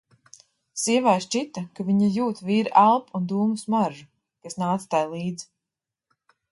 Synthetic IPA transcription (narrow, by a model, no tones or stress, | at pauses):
siɛvajʃt͡ʃit̪akaviɲajuːt̪viːɾalˠpund̪uːmusmaɾʒu | kasnaːt̪st̪ajlˠiːd̪z